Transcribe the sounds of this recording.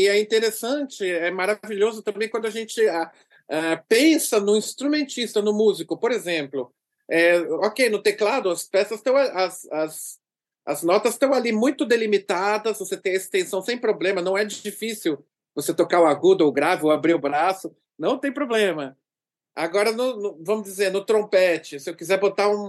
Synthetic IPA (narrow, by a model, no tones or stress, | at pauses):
ɪɛĩnt̪eɾesɐ̃nt͡ʃɪɛmaɾaviʎozʊt̪ɐ̃mbẽj̃kwɐ̃nd̪ʊaʒẽnt͡ʃɪa | ɛpẽsɐnʊĩst̪ɾumẽnt͡ʃist̪ɐnʊmuzikʊpoɾezẽmplʊ | ɛokejnʊt̪eklad̪ʊɐspɛsɐst̪ɐ̃w̃aʔɐsɐz | ɐznɔt̪ɐst̪ɐ̃w̃alimũj̃t̪ʊd̪elimit̪ad̪ɐzvoset̪ẽj̃ɐest̪ẽsɐ̃w̃sẽj̃pɾoblẽmɐnɐ̃w̃ɛd͡ʒifisiw | voset̪okaʊaɡud̪ʊoʊɡɾavɪowabɾiʊbɾasʊ | nɐ̃w̃t̪ẽj̃pɾoblẽmɐ | aɡɔɾɐnʊnʊvɐ̃mʊzd͡ʒizeɾnʊt̪ɾõpɛt͡ʃɪsɪewkizɛɾbot̪aũ